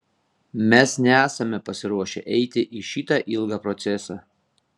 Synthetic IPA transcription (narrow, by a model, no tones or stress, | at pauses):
mʲɛsnʲɛæːsɐmʲɛpɐsʲɪɾuɔʃʲɛ̰ʔɛɪt̪ʲɪʔiʃʲiːt̪ɐʔɪlˠɡɑːpɾɔt̪sʲɛsɑː